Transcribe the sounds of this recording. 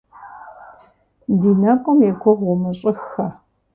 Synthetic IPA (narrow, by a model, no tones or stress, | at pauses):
diːnɐqʷʼɔmjɛkʷʰʊʁʷʊmɨɕʼɪxɐ